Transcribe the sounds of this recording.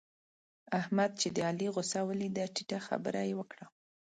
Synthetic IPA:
ahmad̪̚t͡ʃed̪əɑliɣʊsawəlid̪aʈiʈaxa̰bə̰ɾajewəkɽa

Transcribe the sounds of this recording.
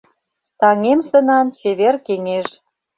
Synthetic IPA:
t̪ɑŋemsə̆nɑnt͡ɕeβerkeŋeʃ

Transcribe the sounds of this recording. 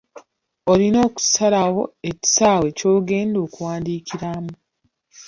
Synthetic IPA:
olino̞ːku̥salawo̞eci̥saːwe̞co̞ːuɡe̞ːndo̞ːkuwaːndiːkiɾamu

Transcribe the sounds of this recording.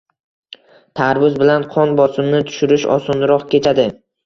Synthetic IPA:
t̪ʰaɾvʊzbɪlanqʰɒnbɒsɪmnɪt̪ʰʊ̥ʃʊɾɪʃɒ̰sɒnɾɒqkʲʰe̞t͡ʃʰad̪ɪ

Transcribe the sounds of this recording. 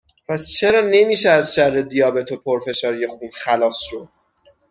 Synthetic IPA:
pʰæst͡ʃʰe̞ɾɒːne̞miːʃeæzʃærːe̞d̪ijɒːbe̞t̪ʰopʰo̞ɾfe̞ʃɒːɾijexuːnxælɒːsʃo̞d̪̥̚

